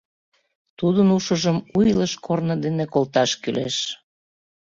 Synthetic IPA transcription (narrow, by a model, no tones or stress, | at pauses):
t̪ud̪ənuʃəʒəmujləʃkʰornəd̪enekolt̪ɑʃkyleʃ